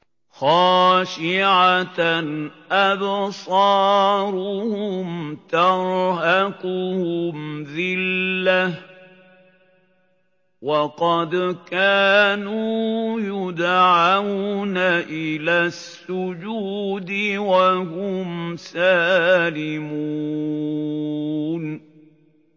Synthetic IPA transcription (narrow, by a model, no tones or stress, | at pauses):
xɑːʃɪʕa | ʔabsˤɑːɾˤʊhʊmt̪ɑɾɦakʊhʊmðɪlːa | wɑqɑd̪kaːnuːjʊd̪ʕawnaʔɪlaːsːʊd͡ʒuːd̪ɪwahʊmsaːlɪmu | n